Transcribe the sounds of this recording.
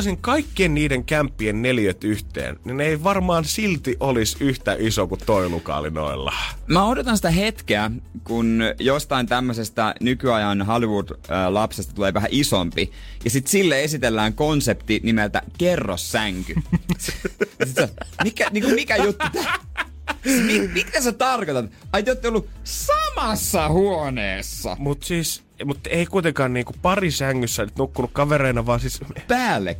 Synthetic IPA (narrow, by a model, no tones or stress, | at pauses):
siŋkɑikːienniːdeŋkæmpːiennelijøt̪yht̪ḛːnnineiʋɑrmɑːnsilt̪iʔolisyht̪æʔisokut̪t̪ːoilukɑ̰lino̰ilːɑ̰mæodot̪ɑnsit̪æɦet̪keækunjost̪ɑint̪æmːøsest̪ɑnykyɑjɑnɦɑliʋud̥əlɑpsest̪ɑ̥t̪uleːʋæɦæʔisompi | jɑsit̪silːeesit̪elːæːŋkonsept̪inimelt̪æ̰kerːo̰sːæŋky | sit̪somikæniːŋkummikæjot̪ːut̪ːæ | mimit̪æset̪ɑrkot̪ɑt̪ɑit̪ot̪ːeolːusɑmɑsːɑhuoneːsːɑ̰mut̪siːs | mut̪eikuit̪eŋkɑːnniːŋkupɑrisæŋːysːænyt̪nukːunukkɑʋereinɑʋɑːsispæːlːḛk